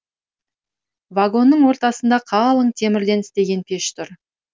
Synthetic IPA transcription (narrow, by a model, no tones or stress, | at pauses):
vaɡo̞nːəɴwo̞ɾt̪ɑsənd̪ɑqʰɑlˠəɴt̪ʲʰe̞mɪɾd̪e̞nɪst̪e̞ɡʲe̞npʲʰe̞ʃt̪ʰʊɾ